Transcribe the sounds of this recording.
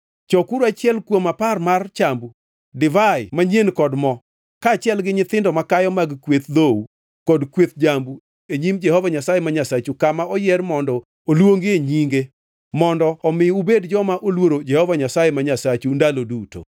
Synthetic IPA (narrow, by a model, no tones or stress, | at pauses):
t͡ʃɔkuɾoat͡ʃɪɛlkwomaparmart͡ʃambu | dɪvaɪmaɲenkɔdmɔ | kaːt͡ʃɪɛlɡɪɲɪt̪ɪndɔmakajɔmaɡkwet̪d̪ou | kɔdkwet̪d͡ʒambu | eɲimd͡ʒɛhɔvaɲasajemaɲasat͡ʃukamaɔjɛrmɔndɔ | olwoŋɡɪeɲiŋɡe | mɔndɔːmɪubedd͡ʒɔmaʔolwoɾod͡ʒɛhɔvaɲasajemaɲasat͡ʃundaloduto̰